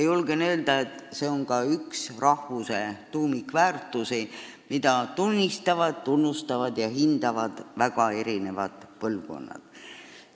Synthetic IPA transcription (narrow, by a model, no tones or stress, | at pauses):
julɡ̥enø̞ːld̪ɑe̞t̪ːˑse̞o̞ŋkɑyksrɑhvuse̞t̪uːmikvæːrt̪ːˑusi | mid̪̥ɑt̪unʲːist̪ɑvɑd̪̥t̪unːust̪ɑvɑd̪̥jɑɦind̪̥ɑvɑd̪̥væɡ̥ɑe̞ɾine̞vɑ̰d̪̥pɤlvɡo̞̰nːɑ̰d̪̥